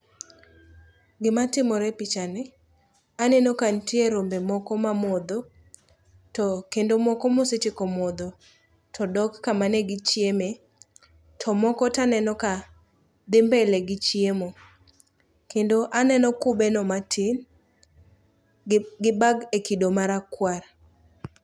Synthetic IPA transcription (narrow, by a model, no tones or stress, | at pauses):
ɡɪmatɪmɔɾɛpit͡ʃanɛ | anɛnɔkantieɾombemɔkɔmamɔd̪ɔ | tɔkendomɔkɔmosɪt͡ʃɪkɔmɔd̪o | tʰɔdɔkːamanɛɡɪt͡ʃjeme | tʰɔmɔkɔtanɛnɔka | d̪ɪmbɛleɡɪt͡ʃjemo | kendoʔanɛnɔkʊbenɔmatʰɪn | ɡɪbaɡekidomaɾakwaɾ